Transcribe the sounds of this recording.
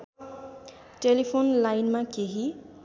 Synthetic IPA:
ʈelipʰonlajnmakeɦi

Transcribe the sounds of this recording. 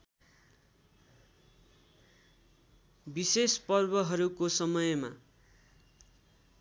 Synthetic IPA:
bisespʌrbʌɦʌɾukosʌmʌjma̰

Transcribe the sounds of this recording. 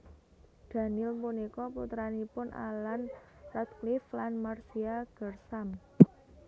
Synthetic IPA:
d̪̥ä̤nɪlmpunekɔput̪ɾanipʊnʔa̰lanrat̪̚klɪflanmarsiaɡ̥ərsam

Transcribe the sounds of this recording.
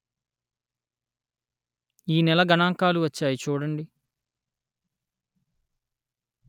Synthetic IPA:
iːnɛlɐɡɐɳaːŋkaːluʋɐt͡ʃːaːjit͡ʃuːɽɐɳɖi

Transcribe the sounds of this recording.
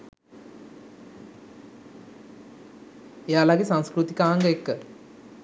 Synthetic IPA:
ejaːlaɡesãŋskɾut̪ikaːŋɡəekːə

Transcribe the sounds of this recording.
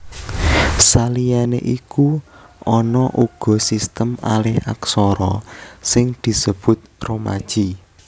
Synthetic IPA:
salijanḛʔiku | ʔɔnɔʔuɡ̥ɔ̤sist̪əma̰lɪha̰ksɔɾɔsɪŋd̪̥i̤səb̥ʊt̪̚roma̰d̥ʒ̥i

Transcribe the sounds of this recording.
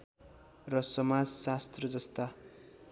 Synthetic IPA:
rʌsʌmad͡zsast̪rʌd͡zʌst̪a

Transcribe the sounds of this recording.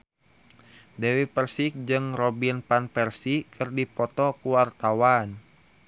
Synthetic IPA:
dɛwipərsik̚d͡ʒɨŋrɔbinpanpɛrsikʰɨrdipɔt̪ɔkuwart̪awan

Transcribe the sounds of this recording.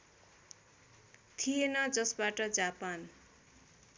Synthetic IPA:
t̪ʰijenʌd͡zʌsbaʈʌd͡zapan

